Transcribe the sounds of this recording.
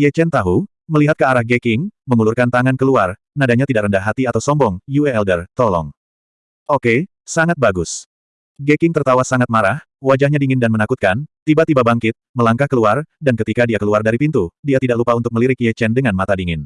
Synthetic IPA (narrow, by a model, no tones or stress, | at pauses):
jɛt͡ʃɛnt̪aɦu | məliɦat̪̚kəaɾahɡekɪŋməŋulurkant̪aŋankəluar | nadaɲat̪idaʔrəndaɦːat̪iat̪awsɔmbɔŋjuɛɛldərt̪ɔlɔ̰ŋ | ʔoke | saŋat̪̚baɡus | ɡekɪŋt̪ərt̪awasaŋat̪̚maɾah | wad͡ʒahɲadiŋɪndanmənakut̪kant̪ibat̪ibabaŋkɪt̪̚məlaŋkahkəluardankət̪ikadiakəluardaɾipint̪udiat̪idaʔlupaunt̪ʊk̚məliɾɪk̚jɛt͡ʃɛndəŋanmat̪adiŋɪn